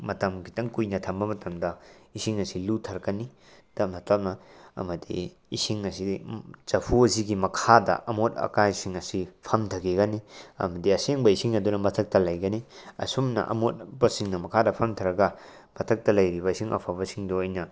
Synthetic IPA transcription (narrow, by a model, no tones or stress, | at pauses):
mɐtɐmkitɐŋkujnɐtʰɐmbɐmɐtɐmdɐisiŋɐsilutʰɐɾkɐni | d̥ɐmɐtɐp̚nɐɐ̰mɐdḭː | siŋɐsit͡ʃɐpʰuɐziɡimɐkʰadɐ̰ʔɐmotɐ̰kajsiŋɐsipʰɐmtʰɐkeɡɐniɐ̰mɐdiɐseŋbɐisiŋɐdunɐmɐtʰɐk̚tɐlɐjɡɐniɐ̰somnɐ̰ʔɐ̰mot̚bɐsiŋnɐmɐkʰadɐpʰɐmtʰɐɾɐɡɐ | mɐtʰɐk̚tɐlɐjɾibɐisiŋʔɐ̰pʰabɐsiŋdoojnɐ